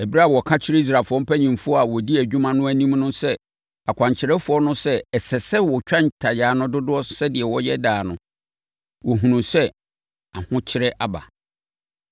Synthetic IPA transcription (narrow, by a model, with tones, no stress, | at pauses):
ɛ˨bi˦ɾa˦˨wɔ˨kʰã˦t͡ɕʰɪ˦ɾɛ˦i˦s̬ɾa˨fʊ˨ɔ̃˦m̩˦pʰæ˦ɲĩ˨mfʊ˦ɔ˦a˨wɔ˨di˦æ˨d͡ʑᶣũ˦mã˦nʊ̃˦æ˦nĩ˦mnʊ̃˦sɛ˦ | a˨kʷʰã˨ɲt͡ɕʰɪ˨ɾɛ˦fʊ˨˦ɔ˦nʊ̃˦sɛ˦ɛ˨sɛ˨sɛ˦wɔ˨t͡ɕᶣã˦ɲ˨tʰa˨jaː˨nʊ̃˦dʊ˦dʊ˦ɔ˦sɛ˦dɪ˨ɛ˨wɔ˦jɛ˦daː˨nʊ̃˨ | wɔ˨ɦũ˨nũ˨sɛ˦ | a˨hʊ̃˦t͡ɕʰɪ˦ɾɛ˦ʔa˨ba̰˨